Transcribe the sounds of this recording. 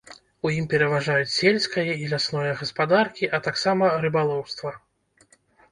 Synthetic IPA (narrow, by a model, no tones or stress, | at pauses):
ujimpʲɛɾɐvaʐajut͡sʲsʲelʲsʲkɐjɐilʲasnɔjɐɣɐspad̪arkʲiʔɐt̪aksamɐɾɨbalˠɔwst̪vɐ